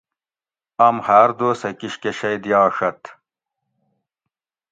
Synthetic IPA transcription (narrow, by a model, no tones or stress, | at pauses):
ɐmhaːɾd̪oːsɐkiɕkeɕɐjd̪jɑːʂɐt̪